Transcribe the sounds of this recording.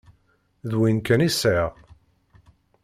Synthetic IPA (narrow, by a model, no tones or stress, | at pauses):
ðwinkænisʕəʁ